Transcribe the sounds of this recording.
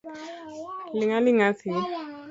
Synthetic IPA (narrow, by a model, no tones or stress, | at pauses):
lɪŋalɪŋasi